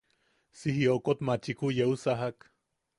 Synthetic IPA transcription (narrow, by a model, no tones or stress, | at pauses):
sihiokot̪mat͡ʃikujeusaɦak